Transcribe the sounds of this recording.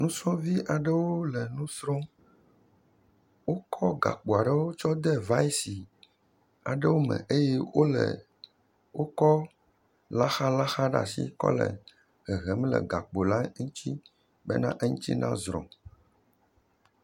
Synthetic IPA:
nũ˦sɔ̃˦vi˦ʔa˨ɖɛ˦wo˦lɛ˨nũ˦sɾɔ˦ | wo˦kʰɔ˦ɡa̰˨k͡po˨a˨ɖɛ˦wo˦t͡ʃɔ˦d̪ɛ˦va˦i˦si˨ | a̰˨ɖə˦wo˦mɛ̰̃˨ʔe˦jɛ˦wo˦lɛ̰˨ | wo˦kɔ˦ | la˦xa˦la˦xa˦ɖa̰˨sḭ˦kɔ̰˦lɛ̰˨ | ɣɛ˨ɣɛ˨m˦lɛ̰˨ɡa˨k͡po˨la˦ŋũ˦t̪i˦ | bɛ̰˦nã˦ʔɛ˦ŋũ˦t̪ḭ˦nã̰˦zɾɔ̰̃˨

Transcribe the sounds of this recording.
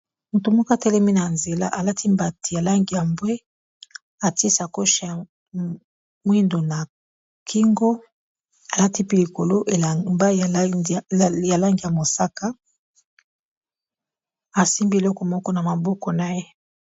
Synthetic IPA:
mu˨to˨mɔ˦ka˨tɛ˦lɛ˦mi˦na˨nze˨la̰˦ʔa˨la˦tʰi˦mba˨ti˨ja˨la˦ŋɡi˨ja˨mbwe˦ | a˨ti˦sa˨ko˦ʃa˨ja˨ | mwi˦ndo˨na˨ | kʰi˦ŋɡo˦ | a˨la˦ti˦pi˦li˨ko˨lo˦ʔe˨mba˦˨ | ja˨la˦ŋɡi˨ja˨mo˨sa˦ka˦ | a˨si˦mbi˦e˨lɔ˦kɔ˨mɔ˦kɔ˦na˨ma˨bɔ˦kɔ˨na˨je˦

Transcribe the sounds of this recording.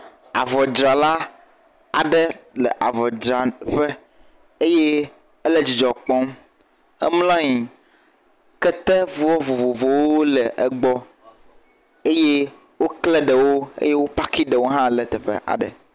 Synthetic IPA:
a̰˨vɔ˨d͡ʒɾa˨la˦ | a̰˨ɖɛ˦lɛ˨ʔa˨vɔ˨d͡ʒɾa˨ɸe˦ | e˦je˦ | ɛ˦le˦d͡ʑi˨d͡ʒɔ˨k͡pɔ˦m | ɛ̰˦mlã˦ɲi˨ | kɛ˦t̪ɛ˦vu˦ɔ˦vo˨vo˨vo˨wo˦lɛ˨ʔɛ˨ɡ͡bɔ˦ | e˦je˦ | wo˦klɛ˦ɖɛ˨wo˦ḛ˦je˦wo˦pa˦ki˦ɖɛ˨wo˦ɦã˦lɛ˨t̪ɛ˨ɸɛ̰˦ʔa̰˨ɖɛ̰˨

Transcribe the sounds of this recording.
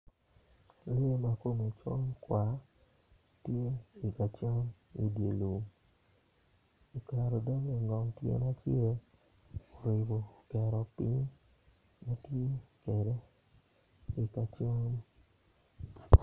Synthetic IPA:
lɪ˦e˦ma˨ko˦me˨t͡ʃo˦nkwa˨˦ | tje˦i˨ka˨t͡ʃo˦n | ḭ˨dje˨lu˨m | i˨ka˨ɾo˨dɔ˦ŋe˨ŋɡɔ˨ŋtjḛ˦ma˦t͡ʃje˦ | o˨ɾe˨bo˨kɛ˨ɾɔ˨pɪ˦ɲ | ma˦tje˦kɛ˨de˦ | i˨ka˨t͡ʃo˦n

